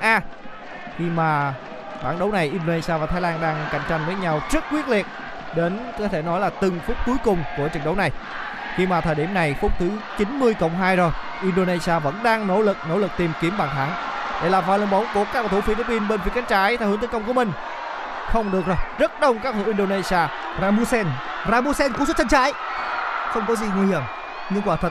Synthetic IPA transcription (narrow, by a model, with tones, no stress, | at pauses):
ʔaː˧ | xi˧maː˨˩ | ɓaː˧˩nɗə˨˦wna˨˩jʔi˧no˧na˧jsaː˧vaː˨˩t̪ʰaː˨˦jlaː˧nɗaː˧ŋka̰˧˩jŋ̟t͡ɕa˧jŋ̟vəː˨˦jɲa˧wzə˦˥t̚kwi˦˥ət̚li˨˩ət̚ | ɗe˨˦nkɔ˨˦t̪ʰe˧˩nɔ˨˦jlaː˨˩t̪ɨ˨˩ŋfʊ˦˥k͡p̚ku˨˦jkʊ˨˩ŋ͡mku˧˩ət͡ɕə˨˩ŋ̚ɗə˨˦wna˨˩j | xi˧maː˨˩t̪ʰəː˨˩jɗḭ˧˩əmna˨˩jfʊ˦˥k͡p̚t̪ʰɨ˨˦t͡ɕi˨˦nmɨ˧əjkə̰˧˨wŋ͡mɦaː˧jzo˨˩j | ʔi˧nɗo˧ne˧jzi˧aː˧və̰˧˥nɗaː˧ŋno̰˧˥lɨ˨˩k̚no̰˧˥wlɨ˨˩k̚t̪i˨˩mki˨˦əmɓaː˨˩nt̪ʰaː˨˦ŋ | ɗe˧˩laː˨˩vaː˧˩lə̰˧˩ŋɓə˨˦wŋ͡mku˧˩əka˦˥k̚aː˨˩t̪u˧˩fi˧li˨˧˥pi˧nɓe˧nfi˨˦ə˦ka˨˦ŋt͡ɕaː˨˦jt̪ʰa˧wht̪ːkə˧wŋ͡mkəmï˨˩ŋ̟ | xə˧wŋ͡mɗɨ˨˩ək̚zo˨˩jzə˦˥t̚ɗə˧wŋ͡mkaː˦˥k̚h̪ʰɨː˨˧˦wʔi˧nɗo˧ne˧jsi˧aː˧ | zaː˧mu˧sɛ˧n | zaː˧mu˧sɛ˧nkəsu˦˥t͡ɕa˧ŋ̟t͡ɕaː˨˦j | xə˧wŋ͡mkɔ˨˦zi˨˩ŋɨ˧əjlə˨˩m | ŋɨ˧ŋkwaː˧˩t̪ʰə˨˩